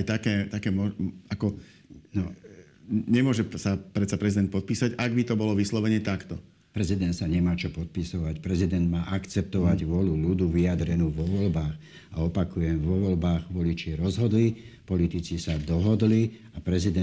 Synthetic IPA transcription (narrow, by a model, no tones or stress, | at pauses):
ajt̪akɛːt̪akɛːmɔakɔ | nɔ | ɲɛmʊɔʒɛsapɾɛt̪sapɾɛzid̪ɛnt̪pɔt̪̚piːsaɟaɡbit̪ɔbɔlɔʋislɔʋɛɲɛt̪akt̪ɔ | pɾɛzid̪ɛnt̪saɲɛmaːt͡ʃɔpɔt̪̚pisɔʋacpɾɛzid̪ɛnd̪maːʔakt͡sɛp̚t̪ɔʋaɟʋɔlulud̪uʋiad̪ɾɛnuːʋɔʋɔlbaːx | aɔpakujɛmʋɔʋɔlbaːɣʋɔlit͡ʃɪɛɾɔzɦɔd̪lipɔlit̪it͡sisad̪ɔɦɔd̪li | apɾɛzid̪ɛ